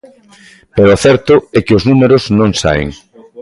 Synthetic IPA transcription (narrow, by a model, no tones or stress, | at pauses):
peɾoaθɛɾt̪ʊɛkɪoznumeɾoznõŋsa̰ḛŋ